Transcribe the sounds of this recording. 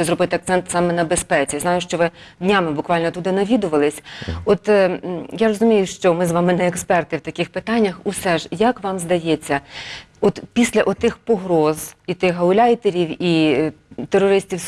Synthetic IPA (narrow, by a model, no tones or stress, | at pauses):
zɾɔbɪt̪ɪɐk̚t̪sɛnt̪sɑmɛnɐbespɛt͡sʲiznɑjʊʃt͡ʃɔʋɪ | dʲnʲamɪbʊkʋɑlʲnɔt̪ud̪ɪnɐʋʲid̪ʊʋɐlˠɪsʲɔt̪jaɾɔzʊmʲijʊʃt͡ʃɔmɪzʋɑmɪnɛɛkspɛrt̪ɪwt̪ɐkʲɪxpɪt̪ɑnʲːɐxusɛʒjɐkʋɑmzd̪ɐjet͡sʲːɐ | ɔt̪pʲisʲlʲɐʔɔt̪ɪxpɔɦɾɔzit̪ɪxɦɐʊlʲajt̪eɾʲiwi | t̪erːɔɾɪsʲtʲiws